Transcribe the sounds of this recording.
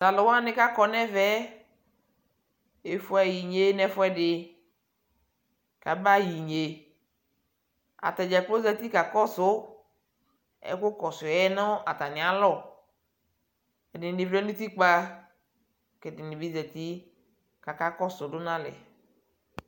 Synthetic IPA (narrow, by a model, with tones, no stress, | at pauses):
za˨lɔ˨wa˦nɪ̃˦ka˦kɔ˨nɛ˦vɛ˦ | e˨fʊ˦ɛ˨ji˨ɲe˦nɛ˦fʊ˦ɛ˦dɪ˨ | ka˨ba˦ji˨ɲe˨ | a̰˨t̪ɛ˨d͡ʒɛ˨k͡plo˦zɛ˨t̪i˦ka˨kɔ˦sʊ˦ | ɛ̰˨˦kʊ˦kɔ˨sʊ˨ɛ˦nɔ˦ʔa˨t̪a˨nɪ̃˨a˨lɔ˦˨ | ɛ˨dɪ˨nɪ˨vɾɛ˦nu˦t̪i˦k͡pa˦ | kɛ˨dɪ˨nɪ˨bi˦zɛ˨t̪i˦ | ka˨ka˦kɔ˦sʊ˨dʊ˦nã˦lɛ̰˨